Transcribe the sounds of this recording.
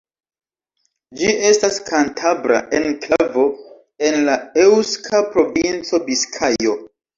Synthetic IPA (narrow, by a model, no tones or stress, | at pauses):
d͡ʒie̞staskʰantʰabɾa̰ʔe̞nklavo̞ | e̞nlaewskʰapɾo̞vint͡so̞biskʰajo̞